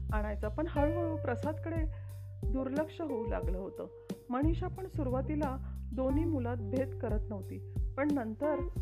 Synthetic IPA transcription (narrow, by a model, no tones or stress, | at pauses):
aɽ̃ajt͡səpəɳɦənməɭũpɾəsad̪kəɽed̪uɾləkʂəɦoula̰ɡləːɦot̪əː | məɽ̃iɕapəɳsuɾʋat̪ilad̪oniːmulat̪̚bʱet̪kəɾət̪nəʋt̪iːpəɳnənt̪əɾ